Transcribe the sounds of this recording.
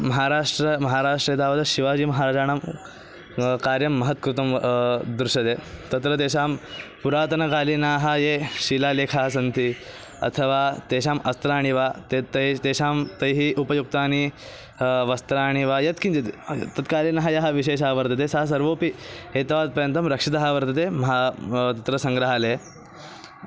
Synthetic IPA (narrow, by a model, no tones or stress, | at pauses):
mɐɦaɾaːʂʈɾəmɐɦaːɾaːʂʈɾet̪aːʋəd̪ɕiʋaːd͡ʑiːmɐɦaːɾaːd͡ʒaːɳ̃am | kaːɾjɐmːɐɦət̪̚kɾut̪ɐmd̪ɾuɕɐd̪et̪ɐt̪ɾət̪eɕ̬aːmpuɾaːt̪ɐnɐkaːlinaɦajeɕilaleːkʰasɐnt̪ʰi | ɐ̰t̪ʰəʋat̪eɕ̬aːmɐst̪ɾaːɽ̃iʋat̪et̪ɐt̪eɕaːmt̪ɐjɦiːʔupɐjuk̚t̪aːñi | ʋɐst̪ɾaːɽ̃iʋajɐt̪kind͡ʑet̪ḭt̪ɐt̪kaːliːnɐɦajɐɦaʋiɕeːɕɦaʋəɾt̪ɐt̪esas̬ɐɾʋoːpiɦet̪ɐʋaːt̪̚pɐɾjɐnt̪ɐmɾɐkʂit̪ɐɦaʋəɾt̪ɐt̪̬emɐɦat̪ɐt̪ɾɐsɐ̃ŋɡɾaɦale